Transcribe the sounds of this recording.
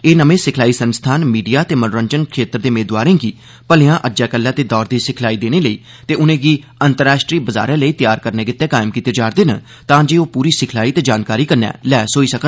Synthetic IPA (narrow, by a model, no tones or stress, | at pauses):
eːnəmẽːsɪkʰlaːiːsənst̪ʰaːnmiːɖijaːt̪eːmənoːɾəɲd͡ʒənkʰeːt̪ɾd̪eːmeːd̪waːɾẽːɡiː | pəlɪjãːʔəd͡ʒɛːkəlːɛ̃ːt̪eːd̪ɔːɾd̪iːsɪkʰlaːiːd̪eːneːləiː | t̪eːʊnẽːɡiː | ənt̪əɾːaːʃʈɾiːbəza̰ːɾɛ̃ːləiːt̪jaːɾkəɾneːɡɪt̪ːɛːkaːɪmkiːt̪ːed͡ʒaːɾd̪eːnə | t̪ãːd͡ʒeːoːpuːɾiːsɪkʰlaːiːt̪eːd͡ʒaːnkaːɾiːkəɾnɛ̰ːlɛːsoːiːsəkə